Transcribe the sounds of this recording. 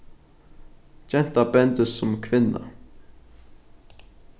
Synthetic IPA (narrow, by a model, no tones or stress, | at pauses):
d͡ʒɛnt̪abɛnd̪ʉsɔmkʰvɪnːa̰